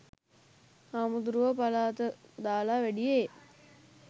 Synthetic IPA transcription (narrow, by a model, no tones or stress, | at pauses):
amud̪ɾuʋəpalaːt̪əd̪aːlaːʋæɖije